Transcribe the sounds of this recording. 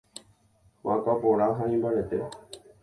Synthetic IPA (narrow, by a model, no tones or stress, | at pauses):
wakapõɾ̃aɦaĩmbaɾet̪e